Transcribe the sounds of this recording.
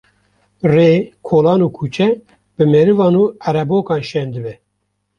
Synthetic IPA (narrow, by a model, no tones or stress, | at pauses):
reːkʰoːlɑːnuːkʰuːt͡ʃʰɛ | bɨmɛɾɨvɑːnuːæɾɛboːkɑːnʃɛnd̪ɨbɛ